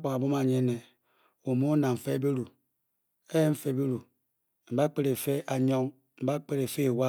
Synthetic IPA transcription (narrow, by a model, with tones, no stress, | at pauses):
k͡pa˨ŋa˨bo˦ma˨ɲe˦ne˨ | u˨mo˦na˨ɱ̩˨fe˦be˦ɾu˨ | e˦ɱ̩˦fe˦˨be˦ɾu˨ | m̩˨ba˦k͡pe˦ɾe˨fe˦a˨ɲɔ˦ŋ | m̩˨ba˦k͡pe˦ɾe˨fe˦˨wa˦